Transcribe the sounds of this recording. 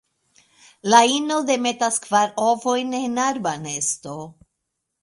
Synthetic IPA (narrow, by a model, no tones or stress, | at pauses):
laino̞de̞me̞taskvaɾovo̞jnenaɾbane̞sto̞